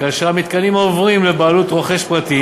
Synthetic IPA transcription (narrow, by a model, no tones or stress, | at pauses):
kaʃamit̪kalimaovʁimlebaːlut̪ʁoχe̞ʃpʁat̪i